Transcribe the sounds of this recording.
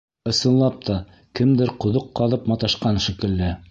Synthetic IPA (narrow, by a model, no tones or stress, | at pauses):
ɤ̆sɤ̆nlˠɑp̚t̪ʰɑ | kɘmd̪ɘɾqŏðoqːɑðɤpmɑt̪ɑʃqɑnʃikɘ̆lːɘ